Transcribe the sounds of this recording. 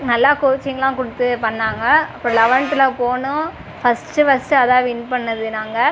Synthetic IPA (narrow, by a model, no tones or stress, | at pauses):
nɐlːaːkʊɾt͡ʃːɪŋɡɐlãːkʊɽɯt̪ːɯpɐɳːaːŋɡɐɐpːoːlɐʋɐɳʈ̪ːɪlɐpoːnʊ̃ | fɐsʈɯʋɐsʈɯɐðaːʋɪnpɐɳːɐðɯnaːŋɡɐ